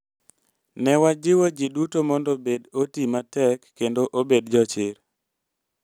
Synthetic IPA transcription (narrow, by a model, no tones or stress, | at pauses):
nɛwad͡ʒɪwod͡ʒidutomɔndobedotimatɛkːendoʔobedd͡ʒɔt͡ʃɪɾ